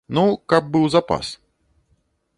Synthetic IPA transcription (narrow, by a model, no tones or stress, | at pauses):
nukab̚bɨwzapa̰s